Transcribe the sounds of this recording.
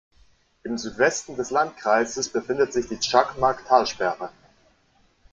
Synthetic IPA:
ʔɪmzyːtv̥ɛstn̩dɛslant̚kʁ̥aɪzəsb̥əfɪndətz̥ɪçd̥iːt͡ʃakmaɐktʰaːlʃpɛʁə

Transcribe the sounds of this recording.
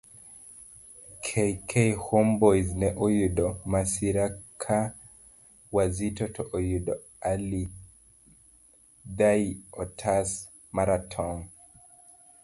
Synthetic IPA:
kʰɛkʰɛjhɔmbɔjznɛʔɔjuɗɔmasiɾakʰa | wazitɔtʰɔʔɔjuɗɔ | ali | ðajɔtʰas | maɾatʰɔŋ

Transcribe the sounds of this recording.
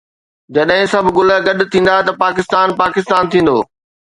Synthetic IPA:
d͡ʑɐɗɦɪ̃sɐbʱɡʊləɡɐɗʊt̪ʰĩːn̆d̪at̪ɐpaːkɪst̪aːnpaːkɪst̪aːnt̪ʰĩːn̆d̪oː

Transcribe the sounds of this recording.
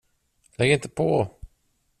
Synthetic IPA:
lɛɡəɾɪnt̪əpʰɔ

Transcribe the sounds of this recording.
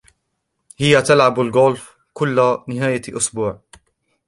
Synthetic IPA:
hɪjat̪alʕabalɡoːlf | kʊlːanɪɦaːjaʔʊsbuːʕ

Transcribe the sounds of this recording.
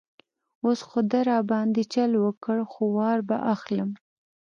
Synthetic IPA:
osxod̪aɾɑbɑnd̪it͡ʃalwəkəɽxowɑɾba̰ʔaxləm

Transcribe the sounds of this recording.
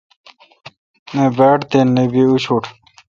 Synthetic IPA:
nebeːʈt̪enːebiuɕʰuːʈʰ

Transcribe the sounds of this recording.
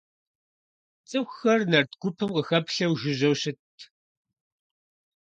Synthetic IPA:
t͡sʼɨwxɐrnɐrtɡ̥ʷʊpʰɨmqəxɐpɬɐwʒɪʑɐwɕɪtʰ

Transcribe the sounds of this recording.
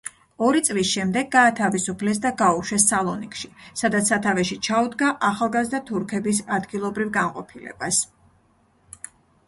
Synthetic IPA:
ɔɾit̪sʼlisʃɛmd̪ɛɡːaːt̪ʰavisupʰlɛs̬d̪aɡauʃɛsːalˠɔnikʼʃisad̪at̪ssat̪ʰavɛʃit͡ʃʰaud̪ɡaʔaχalˠɡazd̪at̪ʰuɾkʰɛbisad̪ɡilˠɔbɾivɡanqʼɔpʰilɛ̰b̥as

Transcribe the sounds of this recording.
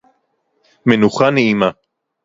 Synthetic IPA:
menuχaneʔima

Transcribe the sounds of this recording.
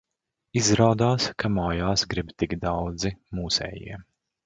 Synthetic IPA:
izɾaːd̪aːskamɔjaːsɡɾibt̪iɡd̪awd̪zimuːsɛ̰ːjḭɛ

